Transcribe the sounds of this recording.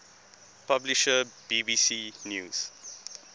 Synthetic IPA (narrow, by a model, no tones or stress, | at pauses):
pabliʃəb̥iːbiːsiːnjuːz̥